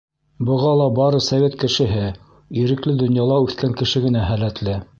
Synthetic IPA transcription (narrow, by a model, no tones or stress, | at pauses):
bɤ̆ʁɑlˠɑbɑɾɤsɐvʲet̪kɘ̆ʃɘ̆ɦɘ | iɾɘ̆klɘd̪ŏnjɑlˠɑʉθkæŋkɘ̆ʃɘɡɘ̆næɦælæt̪lɘ